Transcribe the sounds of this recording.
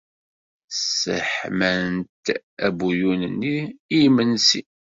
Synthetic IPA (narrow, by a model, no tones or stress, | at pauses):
sə̰ħmænt̪ | æbujunənːiːjmənsi